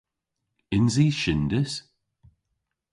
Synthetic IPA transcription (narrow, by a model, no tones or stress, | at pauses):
ɪnziːʃɪnd̪əs